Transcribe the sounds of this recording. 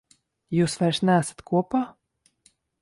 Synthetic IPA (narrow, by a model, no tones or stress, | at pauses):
juːsvajɾsnææsḁt̪kuɔpaː